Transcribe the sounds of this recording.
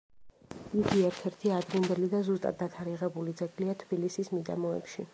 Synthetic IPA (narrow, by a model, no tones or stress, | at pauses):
iɡ̪iɛɾt̪ʰɛɾt̪ʰiad̪ɾind̪ɛlid̪azust̪ʼa̰d̪̚dːat̪ʰaɾiʁɛbulid̪zɛɡliat̪ʰb̥ilisismid̪a̰mɔɛ̰pʃi